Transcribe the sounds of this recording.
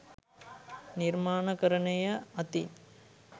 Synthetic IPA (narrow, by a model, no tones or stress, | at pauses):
niɾmaːnɐkɐɾɐɳɐjɐɐt̪i